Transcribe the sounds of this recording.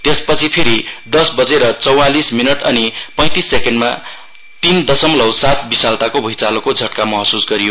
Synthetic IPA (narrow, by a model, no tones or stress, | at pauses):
t̪espʌt͡sʰipʰeɾid̪ʌsbʌd͡zeɾʌt͡sʌwalisminʌʈʌnipʌ̃j̃t̪isːekenɖma̰ | t̪ind̪ʌsʌmlʌwsat̪bisalt̪akobʱʌjt͡salokod͡zʱʌʈkamʌɦʌsusɡʌɾijo